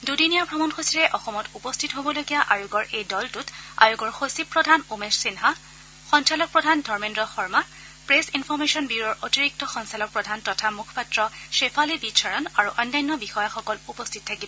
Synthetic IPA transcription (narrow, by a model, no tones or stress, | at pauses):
dudinijabʱɹɔmɔnxosiɹɛʔɔxɔmɔtupɔstʰitɦobɔloɡijaʔajuɡɔɹejdɔltuta̰juɡɔɹxosipɹɔdʱanumeɹsinɦa | xɔnt͡ʃalɔk̚pɹɔdʱandʱɔɹmendɹɔxɔɹma | pɹesinfʰɔɹmesɔnbiɹɔɹʔotiɹik̚tɔxɔnsalɔk̚pɹɔdʱantɔtʰamukʰɔ̥patɹɔʃepʰalibisʰɔɹɔnaɹuʔɔnːajnːɔbixɔjaxɔkɔlupɔstʰit̚tʰakibɔ